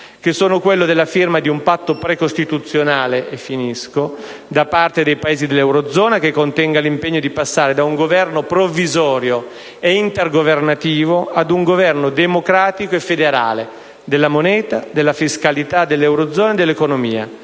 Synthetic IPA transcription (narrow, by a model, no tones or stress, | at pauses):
kesːoːnokwelːod̪elːafirmad̪iumpat̪ːopɾekost̪it̪ut̪sːjonaːleʔefːiniskod̪apart̪ed̪ejpaeːzid̪elːɛwɾod̪zɔːnakekːont̪ɛŋɡalimpeɲːod̪ipasːaːɾed̪auŋɡovɛrnopɾovːizɔːɾjo | eint̪erɡovernat̪iːvoad̪uŋɡovɛrnod̪emokɾaːt̪ikoefːed̪eɾa̰ːle | d̪elːamonɛːt̪ad̪elːafiskalit̪ad̪elːɛwɾod̪zɔːnaed̪elːekonomiːa̰